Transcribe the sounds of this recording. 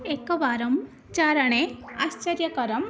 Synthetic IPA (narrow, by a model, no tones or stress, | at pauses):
ekɔʋaɾɐm | t͡ʃaɾɐɽ̃east͡ʃɐɾjɐkɐɾɐm